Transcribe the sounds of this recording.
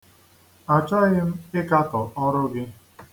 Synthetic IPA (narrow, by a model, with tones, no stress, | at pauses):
a˨t͡ʃa˦ɣɪ˦m̩˦ɪ˦ka˦tɔ˨ʔɔ˦ɾʊ˦ɡɪ˦